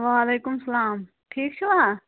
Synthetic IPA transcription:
ʋaːleːkʊmsɐlaːm | ʈʰiːk̚t͡ʃʰiʋaː

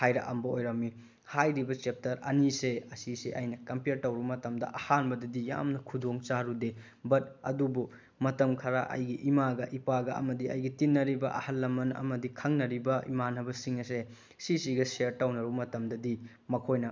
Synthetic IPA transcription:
hajɾɐ̰ʔɐmbɐojɾɐmːi | hajɾibɐt͡ʃep̚tɐɾɐ̰niseɐsiseʔɐjnɐkɐmpeɾtɐwɾubɐmɐtɐmdɐ̰ʔɐhanbɐdɐdija̰mnɐkʰudoŋt͡ʃaɾude | bɐt̚ɐ̰dubu | mɐtɐmkʰɐɾaʔɐ̰jɡiʔimaɡɐʔipaɡɐɐ̰mɐdiɐ̰jɡitinːɐɾibɐ̰ʔɐ̰hɐlːɐmɐnɐ̰mɐdikʰɐŋnɐɾibɐḭmanɐbɐsiŋɐse | sisiɡɐseɾtɐwnɐɾubɐmɐtɐmdɐdi | mɐkʰojnɐ

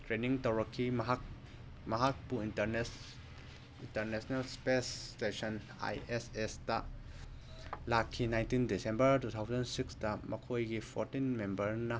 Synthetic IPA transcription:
tɾeniŋtɐwɾɐkʰːimɦak | mɐɦak̚puintɐɾn | intɐɾnesɔnalspestesɔn | a̰jesesdɐ | lakʰːinajntindisembɐɾtut̪ʰawzɐnsiksdɐmɐkʰojɡipʰɔɾtinmembɐɾnɐ

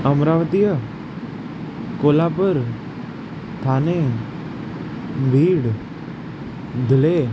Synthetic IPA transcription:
əmɾaʋət̪ijə | kolapəɾ | t̪ʰane | bʱiːɽ | d̪ʱile

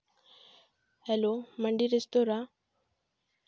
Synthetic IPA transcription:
hɛloməɳɖiɾest̪oɾa

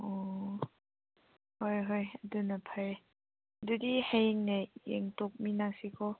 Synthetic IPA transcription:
ɔ | hojɦojadunapʰaj | dudihejŋnejḛŋtok̚minaksikʰɔ

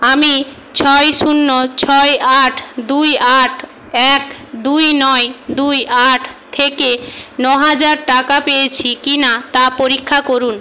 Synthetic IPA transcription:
ami | t͡ɕʰɔejʃunːot͡ɕʰɔeʔaʈʰd̪ujaʈʰ | ɛkd̪ujnɔed̪ujʔaʈʰt̪ʰekenɔɦad͡ʑaɾʈakapejet͡ɕʰikinat̪apoɾikʰːakoɾun

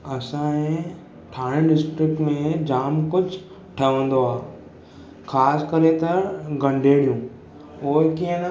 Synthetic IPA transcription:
ɐsãẽ | ʈʰaːɽ̃ẽɖɪsʈɾɪk̚ʈmẽd͡ʑaːmkʊt͡ʃʰ | ʈʰɐʋə̃ːn̆d̪oaː | kʰaːskɐɾet̪ɐɡɐ̃ɳɖʱeːɽijũː | oːkiẽn

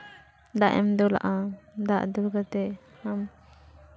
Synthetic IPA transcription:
d̪aʔɛ̰md̪ɔla̰ʔad̪aʔd̪uɡat̪ɛ | ham

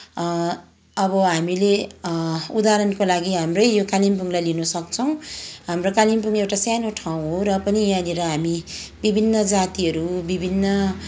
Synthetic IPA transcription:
ʌbʌɦamile | ud̪aɾʌnkolaɡiɦamrʌjjokalimp̬uŋlajlinusʌkt͡sʰʌw̃ɦamrokalimp̬uŋewʈasjanoʈʰaw̃ɦoɾʌpʌnijaneɾʌɦamibibʱinːʌd͡zat̪iɦʌɾubibʱinːʌ

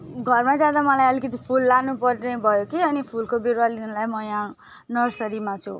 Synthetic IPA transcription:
ɡʱʌrmad͡zad̪amʌlajʌlikʌt̪ipʰulːanupʌrnebʱʌjokiʌnipʰulkobeɾwalinʌlajmʌjã | nʌrsʌɾimat͡sʰu

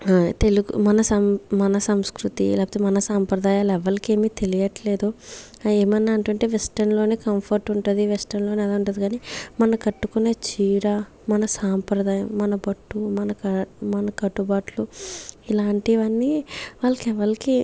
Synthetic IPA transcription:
t̪e̞luɡṵmɐnɐsɐmmɐnɐsɐmskɾut̪ḭlaːpɐt̪emɐnɐsaːmpɾɐd̪aːjaːlɛʋːɐɾike̞ːmiːt̪e̞lijɐʈleːd̪u | eːmɐnːaːɳʈuɳʈe̞ːʋɛsʈɐnlo̞ːneːkɐmpʰɐɾʈuɳʈund̪iʋɛsʈɐnlo̞ːneːɐlaːuɳʈ̬und̪ikaːniːmɐnɐkɐʈːukunːeːt͡ʃiːɾa | mɐnɐsaːmpɾɐd̪aːjɐmːɐnɐbɐʈːumɐnɐmɐnɐkɐʈːubaːʈluilaːɳʈiʋɐnːiʋaːlːɐkɛʋːɐɾiki

